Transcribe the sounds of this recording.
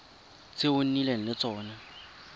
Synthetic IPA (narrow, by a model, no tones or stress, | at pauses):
t͡sɪʊn̩nileŋ̩lɪt͡sɔːna